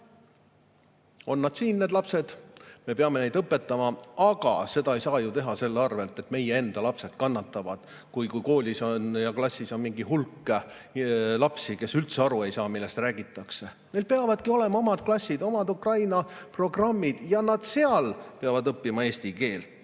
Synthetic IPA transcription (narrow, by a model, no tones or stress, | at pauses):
o̞nːɑd̪̥siːnːe̞ːd̪lɑpse̞d̪̥me̞peɑme̞ne̞jd̪ɤpːe̞t̪ːˑɑmɑɑɡ̥ɑ̰se̞d̪̥ɑe̞jsɑːjut̪e̞ɦɑse̞lːeɑrve̞lt̪e̞t̪me̞jee̞nd̪̥ɑlɑpse̞d̪kɑnːɑt̪ːˑɑvɑd̪̥ | kujkujko̞ːlʲisonjɑklɑsʲːiso̞nmiŋɡiɦulkːˑe | lɑpsike̞sylt̪seɑɾue̞jsɑːmilːest̪ræːɡ̥it̪ːˑɑkse̞ | ne̞jlpeɑvɑd̪̥kio̞le̞mɑo̞mɑd̪̥klɑsʲːid̪o̞mɑd̪ukrɑjnɑpro̞ɡrɑmːid̪̥jɑnɑd̪̥se̞ɑlpeɑvɑd̪ɤpːimɑe̞ːsʲt̪ike̞ːlt̪ˑ